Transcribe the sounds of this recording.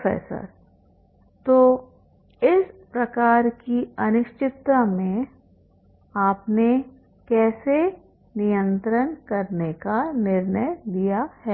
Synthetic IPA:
fɛ̰ːsə̰ɾ | t̪oː | ɪspɾɐkaːɾkiɐnɪʃt͡ʃɪt̪ːamẽ | aːpne | kɛːse | nijə̃nt̪ɾənkɐɾnekanɪɾnəjd̪ijahɛː

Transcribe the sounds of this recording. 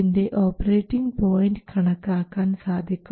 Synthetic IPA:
inde̞ʔoːpːɐreːʈːiŋɡpo̞ːjɳɖɨkʰɐɳɐkːaːkːaːnsaːd̪ʱjikʲːu

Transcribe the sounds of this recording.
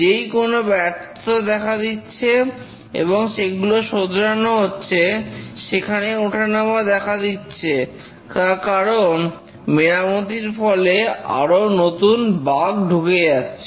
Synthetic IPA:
d͡ʑejkonobɛɾt̪ʰod̪ɛkʰad̪itːɕʰe | ḛboŋʃeɡuloʃod̪ɾanoɦotːɕʰeʃekʰaneoʈʰanamad̪ɛkʰad̪itːɕʰe | kaɾkaɾon | meɾamot̪iɾfɔlea̰ɾonot̪unbaɡɖʱukejatːɕʰe

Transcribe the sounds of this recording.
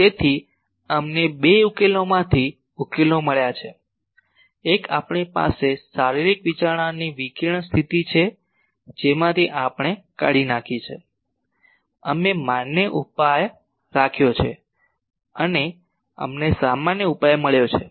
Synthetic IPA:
t̪et̪ʰi | əmnebeukelomãt̪ʰi | ukeloməɭjat͡ʃʰe | ekapɳipa̰sesaɾiɾikʋit͡ʃaɾɳ̃aniʋikiɾɳ̃st̪ʰit̪it͡ʃʰe | d͡ʒemãt̪ʰiʔapɳ̃eka̰ɽinakʰit͡ʃʰḛ | əmemanːəʔupaj | ɾakʰjot͡ʃʰḛ | əne | ə̰mnesamanjəupajməɭjot͡ʃʰe

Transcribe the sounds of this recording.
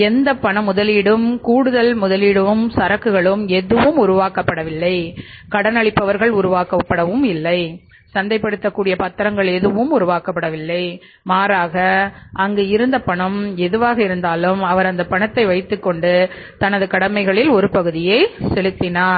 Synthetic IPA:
ɛnd̪ɐpːɐɳɐmʊðɐliːɽɯmkuːɽɯðɐlmʊðɐliːɽɯʋɯmsɐɾɐkːɯɣɐɭɯmɛðɯʋɯmʊɾʊʋaːkɐpːɐɽɐʋɪlːɐɪ | kɐɽɐnɐɭɪpːɐʋɐɾɣɐɭʊɾʊʋaːkɐpːɐɽɐʋɯmɪlːɐɪ | sɐnd̪ɐɪpːɐɽɯt̪ːɐkːuːɽɪjɐpɐt̪ːɐɾɐŋɡɐɭɛðɯʋɯmʊɾʊʋaːkɐpːɐɽɐʋɪlːɐɪ | maːɾaːɣɐʔɐŋɡeːɪɾɯnd̪ɐpːɐɳɐmɛðɯʋaːɣɐɪɾɯnd̪aːlɯmɐʋɐɾɐnd̪ɐpːɐɳɐt̪ːɐɪʋɐɪt̪ːɯkːɔɳɖɯ | t̪ɐnɐðɯkɐɽɐmɐɪɣɐɭɪlɔɾɯpɐɣɯðɪjɐɪsɛɭɯt̪ːɪnaːɾ

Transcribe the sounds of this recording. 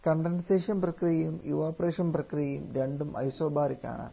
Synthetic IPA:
kɐɳɖɐɳɖseːʂjɐmprɐkrijɐjumuʋaːpreːʂɐnprɐkrijɐjumɾeɳɖumɐ̰jsoːbʱaːɾikʲːa̰ːɳa̰ː

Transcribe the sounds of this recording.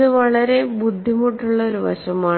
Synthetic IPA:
ɨʋɐɭɐɾe̞bud̪ʱːimuʈːuɭːɐo̞ɾuʋɐ̰ɕɐmaː

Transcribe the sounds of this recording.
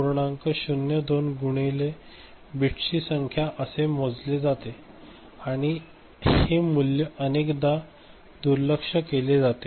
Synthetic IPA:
oɾɳãŋkəɕunjəd̪onɡuɽ̃ele | biʈɕisəŋkʰjaʔəsemod͡zled͡zat̪e | aɽ̃i | hemuljəənekd̪a | d̪uɾləkʂəkeled͡zat̪e

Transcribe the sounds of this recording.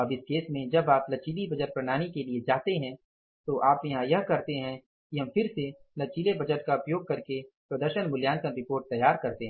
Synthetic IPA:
ɐbɪskeːsmẽd͡ʒɐbaːplɐt͡ʃiːlibɐd͡ʒəʈ̚pɾɐɽ̃aːɽ̃ikelied͡ʒaːt̪eɦɛ̃ | t̪oʔaːpjɐɦãjɐɦkɐɾt̪eɦɛ̃ | kiɦɐ̃mfɪɾselɐt͡ʃiːlebɐd͡ʒəʈkaʊpjoːɡ̚kɐɾkepɾɐd̪əɾʃənbʊljaːnkə̃nɾɪpoːɾʈ̚t̪ɐjːaːɾkɐɾt̪eɦɛ̃

